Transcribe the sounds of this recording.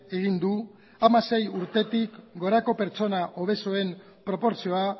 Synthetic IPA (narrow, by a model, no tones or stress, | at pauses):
e̞ɣ̞ind̪u | amase̞juɾt̪e̞t̪ikɡo̞ɾako̞pe̞ɾt͡ʃo̞naʔo̞β̞e̞soe̞m | pɾo̞po̞ɾsio̞a